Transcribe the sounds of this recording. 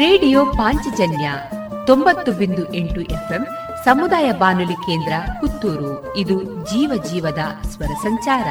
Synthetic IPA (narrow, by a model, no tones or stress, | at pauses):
ɾeːɖijoːpaːɲt͡ʃid͡ʒɐnjɐ | t̪o̞mbɐt̪ːubind̪uʔeɳʈuʔepʰem | sɐmud̪aːjɐbaːnulikeːnd̪ɾɐkut̪ːuːɾu | id̪ud͡ʒiːʋɐd͡ʒiːʋɐd̪ɐsʋɐɾɐsɐɲt͡ʃaːɾɐ̰